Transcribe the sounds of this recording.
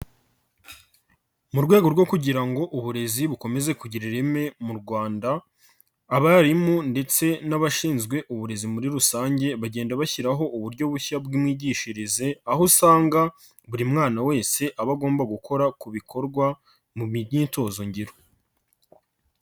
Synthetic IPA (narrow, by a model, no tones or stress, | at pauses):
muɾɡwe̞ːɡo̞ɾɡo̞kuɟiɾaŋɡo̞ʔuβuɾe̞ziβuko̞me̞ze̞kuɟiɾiɾeme̞muɾɡwaːndaː | βaɾimonde̞t͡se̞naβaʃiːnzɡwe̞ʔuβuɾe̞zimuɾiɾusaːɲɟe̞βaɟe̞ːndaβaçiɾaɦo̞ʔuβuɾɟo̞βuçabɡimŋiːɟiːʃiɾize̞aɦusaːŋɡa | βuɾimŋaːnawe̞ːse̞ʔaβaɡo̞ːmbaɡukʰo̞ɾakuβikʰo̞ɾɡwa | muiɲiːto̞ːzo̞ɲɟiɾo